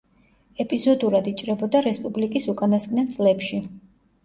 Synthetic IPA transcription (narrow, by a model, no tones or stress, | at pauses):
ɛpʼizɔd̪uɾad̪it͡ʃʼɾɛbɔd̪aɾɛspʼublikʼisukʼanasɡnat̪sʼlɛpʃi